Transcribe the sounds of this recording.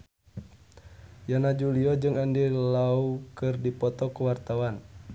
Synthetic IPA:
janad͡ʒuliɔd͡ʒɨŋandilaukɨrdipɔt̪ɔkəwart̪awan

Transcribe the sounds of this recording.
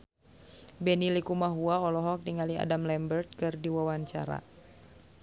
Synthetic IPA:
bɛnilikumaɦuaɔlɔɦɔk̚diŋalia̰damlɛmbərt̪̚kɨrdiwawaɲt͡ʃa̰ɾa̰

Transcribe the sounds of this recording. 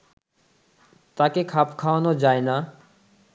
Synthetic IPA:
t̪aːkeːkʰaːpʰkʰaːʋnoːd͡ʒaːenaː

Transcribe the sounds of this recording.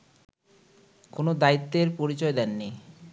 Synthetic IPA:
konod̪ait̪ːeɾpoɾit͡ɕɔed̪ɛnːi

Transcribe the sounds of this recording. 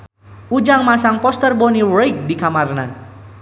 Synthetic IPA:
ʔud͡ʒaŋmasaŋpɔst̪ərbɔniɾek̚dikamarna

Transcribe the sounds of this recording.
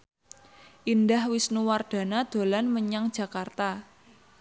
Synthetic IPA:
ʔindahwisnuward̪̥a̤nad̪̥o̤lanməɲaŋd̥ʒ̥ä̤kart̪a

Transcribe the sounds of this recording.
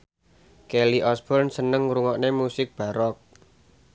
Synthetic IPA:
keliʔɔsb̥ɔrnsənəŋɾuŋɔʔnemusɪk̚b̥ä̤ɾɔk̚

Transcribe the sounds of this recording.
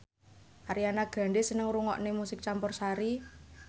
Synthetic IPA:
ʔaɾianaɡ̥ä̤ɳɖesənəŋɾuŋɔ̰ʔnemusɪk̚t͡ʃampɔrsaɾi

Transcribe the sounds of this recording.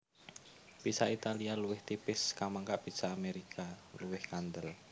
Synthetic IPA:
b̥isait̪alialuwɪht̪ipɪskamaŋkaʔb̥i̤saːmeɾikʰaluwɪhkand̪əl

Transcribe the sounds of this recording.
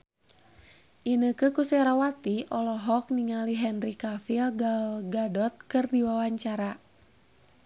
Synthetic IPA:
ʔinəkəkusɛɾawat̪iʔɔlɔɦɔk̚niŋaliɦɛnrikafilɡalɡadɔt̪̚kɨrdiwawaɲt͡ʃaɾa

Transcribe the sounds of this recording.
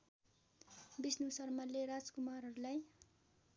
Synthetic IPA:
bisnusʌrmʌleɾad͡zkumarɦʌɾulaj

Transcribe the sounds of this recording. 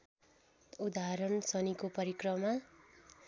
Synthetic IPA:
ud̪aɦɾʌnsʌnikopʌɾikrʌma

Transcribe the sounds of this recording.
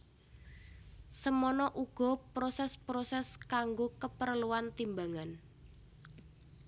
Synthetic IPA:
səmɔnɔʔuɡ̥ɔ̤pɾosɛspɾosɛskaŋɡokəpəɾəluwant̪imbaŋan

